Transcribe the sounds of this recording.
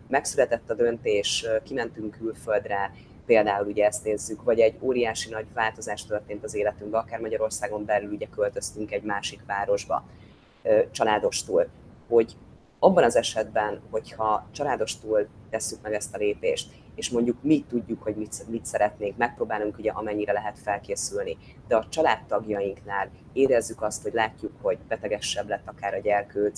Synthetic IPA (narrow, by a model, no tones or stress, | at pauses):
mɛksylɛt̪ɛt̪ːɒd̪ø̞nt̪eːʃkimɛnt̪yŋkylfø̞ld̪rɛ | peːld̪aːuluɟɛɛst̪neːzːykvɒɟɛɟːoːɾijaːʃinɒɟvaːlt̪o̞zaːʃt̪ørt̪eːnt̪ɒzeːlɛt̪yŋɡbɛɒkaːrmɒɟɒɾo̞rsaːɡo̞mbɛlyluɟɛkø̞lt̪ø̞st̪yŋkɛɟmaːʃikʋaːɾo̞ʒbɒ̰ | t͡ʃɒlaːd̪o̞ʃt̪uːlho̞ɟ | ɒbːɒnɒzɛʃɛd̪bɛnho̞chɒt͡ʃɒlaːd̪o̞ʃt̪uːlt̪ɛsːykmɛɡɛst̪ɒleːpḛːʃt̪ | eːʃmo̞ɲɟukmit̪ːuɟːukho̞ɟmit̪mit̪sɛɾɛt̪neːŋkmɛk̚proːbaːluŋkuɟɛʔɒmɛɲːiɾɛlɛɦɛt̪fɛlkeːsylni | d̪ɛɒt͡ʃɒlaːt̪ːɒɡjɒjiŋknaːl | eːɾɛzːykɒst̪ho̞ɟlaːcːukho̞ɟbɛt̪ɛɡɛʃːɛblɛt̪ːɒkaːɾɒɟɛrkøːt̪